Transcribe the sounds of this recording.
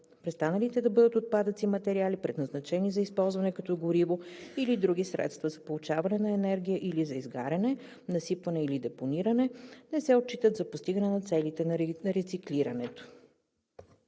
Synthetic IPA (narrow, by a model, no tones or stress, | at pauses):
pɾɛst̪anəlit̪ɛd̪ɐbɤd̪ət̪ot̪̚pad̪ət̪simɐt̪ɛɾialipɾɛd̪nɐznɐt͡ʃɛnizɐispɔlˠzvɐnɛkɐt̪ɔɡoɾivoilid̪ɾuɡisɾɛ̰t̪st̪vɐzɐpolˠut͡ʃavɐnɛnɐɛnɛɾɡ̟ʲijəʔilizɐizɡa̰ɾɛnɛ | nɐsipvɐnɛilid̪ɛponiɾənɛnɛsɛot̪̚t͡ʃːit̪ət̪zɐpost̪iɡənɛnɐt̪sɛlit̪ɛnɐɾɛt̪sikliɾɐnɛt̪o̥